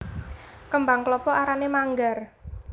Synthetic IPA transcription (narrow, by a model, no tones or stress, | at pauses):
kəmbaŋklɔpɔʔaɾanemaŋɡar